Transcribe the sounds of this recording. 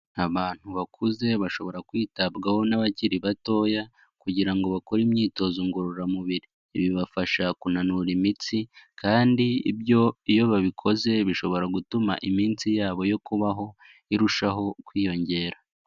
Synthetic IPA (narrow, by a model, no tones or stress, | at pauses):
aβaːn̥huβakʰuze̞βaʃo̞βo̞ɾakwiːtabɡaho̞naβaciɾiβato̞ja | kuɟiɾaŋɡo̞βakoɾimɲiːto̞zuŋɡoɾoɾamuβiɾiːβiβafaʃakunanuɾimit͡sikʰaːndiḭbjo̞ijo̞βaβikʰo̞ze̞βiʃo̞βo̞ɾaɡutuma̰ʔimiːnt͡sijaːβo̞jo̞kuβaɦo̞ | iɾuʃaɦo̞kwiːjo̞ɲɟe̞ːɾa